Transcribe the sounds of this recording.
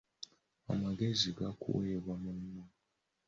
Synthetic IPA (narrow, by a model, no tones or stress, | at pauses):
a̰maɡe̞ziɡakṵweːβwamunːo